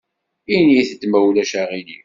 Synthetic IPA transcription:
iniθət̪ːmæwlæʃæʁili

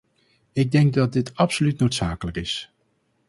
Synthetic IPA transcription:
ɪɡ̚dɛŋɡ̚dɑd̚dɪtɑpsolytnowtsaːkələkɪs

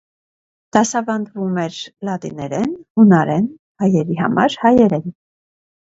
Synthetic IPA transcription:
d̪̥ɑsɑvɑnd̪vumɛɾlɑt̪ḭnɛɾɛnunɑɾɛn | hɑjɛɾiɦɑ̰mɑ̰ɾhɑjɛɾɛn

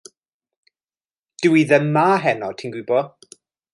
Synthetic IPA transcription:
d̥ɪwiðəmːaːɦɛnɔtʰinɡwɪbɔ

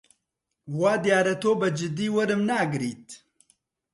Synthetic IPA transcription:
waːd̪ijaːɾɐt̪oːbəd͡ʒɪd̪iːwɐɾɨmnaːɡɨɾiːt̪

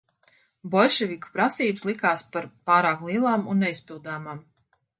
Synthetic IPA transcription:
bɔlʲʃɛviku̥pɾasiːbslˠikaːspaɾpɑːɾaːklˠiɛlˠaːmunːɛispilˠd̪aːmaːm

